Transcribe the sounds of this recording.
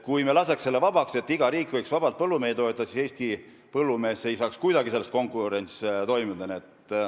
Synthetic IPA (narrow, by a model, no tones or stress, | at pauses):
kujmelɑse̞kselːe̞vɑb̥ɑkse̞t̪ːiɡ̥ɑɾiːkˑːvɤjksvɑb̥ɑlt̪̚pɤlːumeːd̪o̞et̪ːˑɑsise̞ːst̪i | pɤlːume̞ːse̞jsɑːkskujd̪ɑɡise̞lːest̪ko̞ŋkuɾe̞nst̪o̞jmid̪ɑniet̪